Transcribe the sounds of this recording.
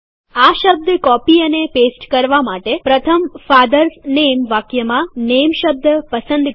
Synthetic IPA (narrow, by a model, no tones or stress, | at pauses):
aʃəb̚d̪kɔpiənepesʈkəɾʋamaʈepɾət̪ʰəmfad̪əɾsnemʋakjəmãnemʃəb̚d̪pəsənd̪